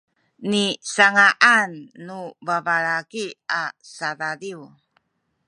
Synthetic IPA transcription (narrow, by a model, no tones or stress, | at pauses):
nisaŋaʔanːubavaɾakiasadadiw